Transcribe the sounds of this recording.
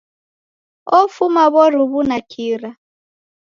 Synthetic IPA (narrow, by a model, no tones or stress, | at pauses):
ɔfumaβɔɾuβunakʰiɾa